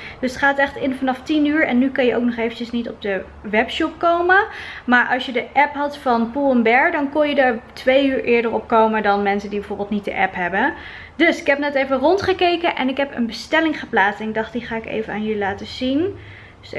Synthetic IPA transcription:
d̥ɵsətχaːtɛχtɪnfɑnɑftinyːɹɛ̰nːykɑnjəʔowk̚nɔχejvəcəsnitɔb̚də | ʋɛpʃɔp̚kowməmaːɹʔɑlˠsjədəʔɛpɦɑtfɑnpulˠɛmbɛɹdɑnkɔnjədəɹtʋejyːɹʔɪːɹdəɹɔp̚kowmədɑnmɛnsəndibəvoːɹbəlˠtnit̚də̰ʔɛpɦɛbə | dɵsɪkɦɛp̚nɛtejvərɔntχəkejkənʔɛ̰nɪkɦɛpə̰nbəstɛlɪŋχəplaːsɪk̚dɑχtdiχaːɪkḛjvənaːnjəlilaːtəz̥in

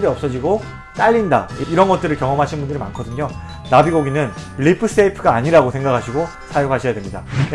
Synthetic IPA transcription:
ɾiʌp̚s͈ʌd͡ʑiɡo | t͈aʎːinda̰iiɾʌnɡʌt̚t͈ɯɾɯɭkjʌŋʌmɦaɕʰinbundɯɾima̰nkʰʌdɯɲo | nabiɡoɡinɯnʎipʰɯs͈eipʰɯɡaːɲiɾaɡosʰe̞ŋɡakʰaɕʰiɡo | sʰajokɦaɕʰʌjadwe̞mɲida

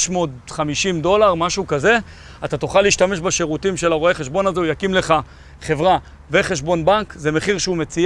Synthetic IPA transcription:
ʃmo̞ːd̪χamiʃimd̪o̞laʁmaʃukaze̞ | at̪at̪oχalːiːʃtameʃbaʃeʁut̪imʃe̞laʁoeχe̞ʃbo̞nazeujakimle̞χa | χe̞vʁa | ve̞χe̞ʃ̬bo̞nbankze̞meχiʁʃeume̞t͡si

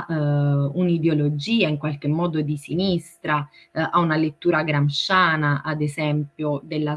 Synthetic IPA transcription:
unid̪eolod͡ʒiːaiŋkwalk̟emːɔːd̪od̪isinist̪ɾaaunalet̪ːuːɾaɡɾamʃaːnaʔad̪esɛmpjod̪elːa

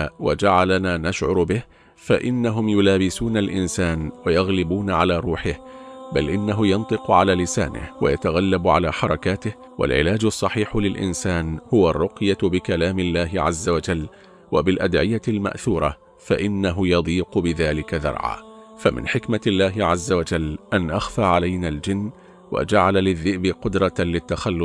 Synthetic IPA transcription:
wad͡ʒaʕalanaːnaʃʕʊɾbɪh | faʔɪnːaɦʊmjʊlaːbɪsuːnalʔɪnsaːnwajɑɣlɪbuːnʕalaːɾˤuːħɪhbalʔɪnːaɦʊjɑnt̪ˤɨqʊʕalaːlɪsaːnɪ̰hwa̰jat̪aɣalːabʕalaːħɑɾˤɑkaːt̪ɪh | wa̰lʕɪ̰laːd͡ʒʊsˤːɑħiːħʊlɪlʔɪ̰nsaːnhʊwarˤːʊqjabɪkalaːmɪlːaːɦɪʕazːawad͡ʒalː | wabɪlʔad̪ʕɪjalma̰ʔθuːɾˤɑ | faʔɪnːaɦʊjɑd̪ˤiːqʊbɪðaːlɪkaðɑ̰ɾˤʕa̰ː | famɪ̰nħɪkmalːaːɦɪʕazːawad͡ʒalːʔanʔaxfaːʕalajnaːld͡ʒɪnː | wa̰d͡ʒaʕalalɪðːɪʔbɪqʊd̪ɾˤɑlɪt̪ːaxalːʊs

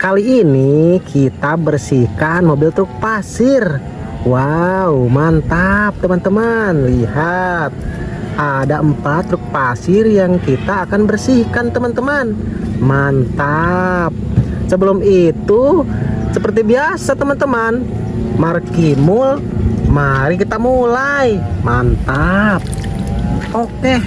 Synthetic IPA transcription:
kaliːnikʰit̪abərsihkanmobɪlt̪ɾʊk̚pasɪr | waumant̪ap̚t̪əmant̪əmanliɦat̪̚ | ʔadaʔəmpat̪ːɾʊk̚pasɪrjaŋkit̪aːkanbərsihkant̪əmant̪əmanmant̪ap̚səbəlʊmit̪usəpərt̪̬ibiasat̪əmant̪əman | markimʊl | maɾikit̪amulajmant̪ap̚ | okɛ

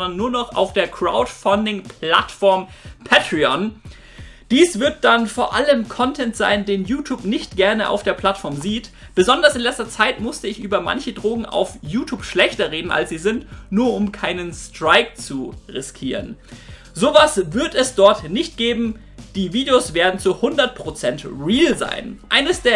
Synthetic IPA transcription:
ɔndɐnːuːɐnɔχa̰ʊfd̥eːɐkʁ̥a̰ʊtfandɪŋpʰla̰tfɔɐmpʰɛtʁ̥iɔn | d̥iːsv̥ɪɐt̚d̥anfoːɐʔaləmkʰɔntʰɛntz̥a̰ɪndeːnjuːtʰjuːpnɪçtɡ̥ɛɐnəʔa̰ʊfd̥eːɐpʰl̥atfɔɐmziːt | b̥əzɔndɐsɪnlɛt͡stɐt͡saɪtmʊstəɪçʔyːbɐma̰nçədʁoːɡŋ̩ʔa̰ʊfjuːtʰjuːpʃlɛçtɐʁeːdn̩ʔa̰lsz̥iːzɪntnuːɐʊmkʰaɪnənstʁ̥aɪk̚t͡suʁɪskʰiːʁ̞ə̰n | zoːvasvɪɐtɛsd̥ɔɐtnɪçt̚ɡ̥eːbm̩ | d̥iːviːdeoːsv̥eːɐdn̩t͡suhʊndɐt̚pʁ̥ot͡sɛntʁiːlza̰ɪnʔaɪnəsd̥eːɐ

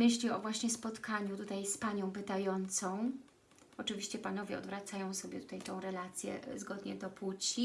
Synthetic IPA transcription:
mɘɕlʲiɔvwaɕɲɛspɔt̪kʰaɲut̪ut̪ajspaɲɔ̃w̃pɘt̪ajɔnt̪sɔ̃w̃ | ɔt͡ʂɘvʲiɕt͡ɕɛpanɔvʲjɛɔd̪vɾat̪sajɔ̃w̃sɔbʲjɛt̪u̥t̪ajt̪ɔ̃w̃ɾɛlat̪sʲjɛ̰zɡɔd̪ɲɛd̪ɔput͡ɕi

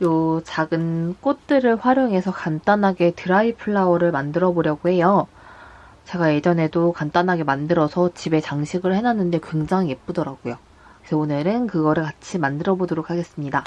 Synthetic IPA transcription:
jot͡ɕaɡɯnk͈ot̚t͈ɯɾɯɭɸwaɾjoŋɦe̞sʰʌkant͈anɦaɡe̞tɯɾaipʰɯɭːaʌɾɯɭmandɯɾʌboɾjʌɡohe̞jo | t͡ɕe̞ɡajed͡ʑʌne̞dokant͈anɦaɡe̞mandɯɾʌsʰʌt͡ɕibe̞t͡ɕaŋɕʰiɡɯɭhe̞nanːɯnde̞kwe̞ŋd͡ʑaŋjep͈udʌɾaɡ̥ujo | sʰʌonɯɾɯnkɯɡʌɾɯɭkat͡ɕʰimandɯɾʌbodoɾok̚ʰaɡe̞s͈ɯmɲida

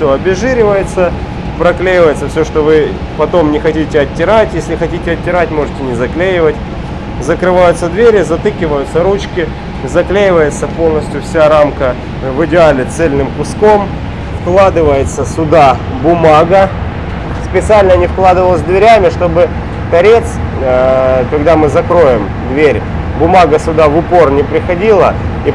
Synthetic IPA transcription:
sʲoɐbʲɪʐɨɾʲɪvəjɪt̪sə | pɾɐklʲejɪvəjɪt̪səfsʲoʂt̪ovɨ | pɐt̪o̞mnʲɪxɐtʲitʲɪɐtʲːɪɾatʲjesʲlʲɪxɐtʲitʲɪɐtʲːɪɾatʲmo̞ʐɨtʲɪnʲɪzɐklʲejɪvətʲ | zəkɾɨvajʊt̪səd̪vʲeɾʲɪzɐt̪ɨkʲɪvəjʊt̪səɾut͡ɕkʲɪ | zɐklʲejɪvəjɪt̪səpo̞lˠnəsʲtʲjʊfsʲaɾamkə | vɨdʲɪalʲɪt̪sɛlʲnɨmkʊsko̞m | fklˠad̪ɨvəjɪt̪səsʊd̪a | bʊmaɡə | spʲɪt̪sɨalʲnənʲɪfklˠad̪ɨvəlˠzʲd̪vʲɪɾʲamʲɪʂt̪o̞bɨ | k̪ɐɾʲe̞t̪s | kɐɡd̪amɨzɐkɾo̞jɪm | d̪vʲeɾʲ | bʊmaɡəsʲʊd̪avʊpo̞rnʲɪpɾʲɪxɐdʲilˠəi

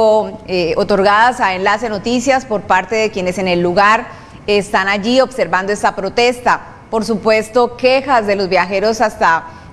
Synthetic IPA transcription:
oot̪o̞ɾɣaðasae̞nlase̞no̞t̪isjaspo̞ɾpaɾt̪e̞ðe̞kje̞nese̞ne̞lːuɣaɾ | est̪anaʝio̞bse̞ɾband̪o̞e̞st̪apɾo̞t̪e̞st̪a | po̞ɾsupwe̞st̪o̞ke̞xazd̪e̞lo̞zbjaxe̞ɾo̞sast̪a

